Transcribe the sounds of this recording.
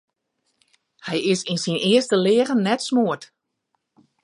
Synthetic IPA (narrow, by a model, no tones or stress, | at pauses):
hɛjɪsinsinɪəstəlɪəɣənːɛtsmuət